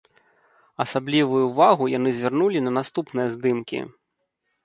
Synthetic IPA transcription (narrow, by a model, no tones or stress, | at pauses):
ɐsablʲivujuvaɣujan̪ɨzʲvʲarnulʲinɐnast̪upnɨjɐzd̪ɨmkʲḭ